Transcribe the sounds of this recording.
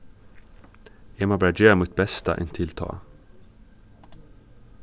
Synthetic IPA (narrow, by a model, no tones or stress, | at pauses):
ɛːmoːbɑːɾad͡ʒøːmut̪̚bɛst̪a̰ʔɛ̰nt̪ʰɪlt̪ʰɑ̰ː